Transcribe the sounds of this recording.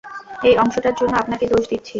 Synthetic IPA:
ejɔŋʃoʈaɾd͡ʑonːoapnaked̪oʃd̪it̪ːɕʰi

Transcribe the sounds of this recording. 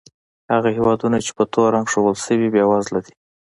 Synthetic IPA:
haɣahewɑd̪unat͡ʃe̥pət̪ʰoɾaŋɡʂoɣəlsəwibjɑwazlaɾi

